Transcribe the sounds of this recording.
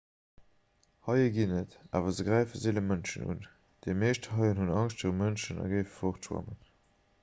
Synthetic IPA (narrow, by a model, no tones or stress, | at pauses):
hɑɪəɡinətaːvɐzəɡʁæɪfəzeːləmənʃə̰nṵn | d̥emeɪʃthɑɪənɦunɑŋʃtfəʁəmənʃənɑ̰ɡəɪfəfoχtʃwɑ̰mən